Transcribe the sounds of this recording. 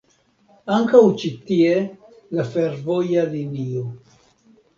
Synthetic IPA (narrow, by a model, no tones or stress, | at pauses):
aŋkawt͡ʃit̪ie | lafeɾvojalinio